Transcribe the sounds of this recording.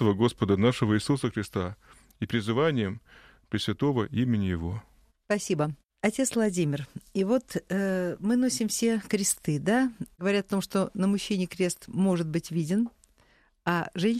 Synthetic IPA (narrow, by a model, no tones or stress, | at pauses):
əvəɡo̞spəd̪ənaʂəvəisusəxɾʲɪst̪a | ipɾʲɪzɨvanʲɪjɪm | pɾʲɪsvʲɪt̪o̞vəimʲɪnʲɪjɪvo̞ | spɐsʲibə | ɐtʲet̪svlˠɐdʲimʲɪrivo̞t̪ | mɨno̞sʲɪmfsʲekɾʲɪst̪ɨd̪aɡəvɐɾʲat̪ɐt̪o̞mʂt̪o̞nəmʊɕːenʲɪjəkɾʲe̞st̪mo̞ʐɨt̪̚bɨtʲvʲidʲɪn | aʐɛnʲ